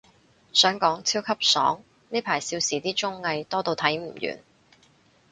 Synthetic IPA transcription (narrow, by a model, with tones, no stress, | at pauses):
sœː˨˥ŋkɔː˨˥ŋt͡sʰiː˥wkʰɐ˥p̚sɔː˨˥ŋ | niː˥pʰaː˨˩jsiː˧wsiː˨˩t̪iː˥t͡ʃʊ˥ŋːɐ˧jt̪ɔː˥t̪o˧wt̪ʰɐ˨˥jm̩˨˩jy̰ː˨˩n